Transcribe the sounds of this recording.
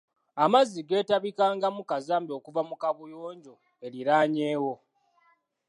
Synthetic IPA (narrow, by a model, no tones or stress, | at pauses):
amaziɡe̞ːtaβikaːŋɡamukazaːmbiokuvamukaβujoːɲɟo̞ | e̞liɾaːɲe̞ːwo̞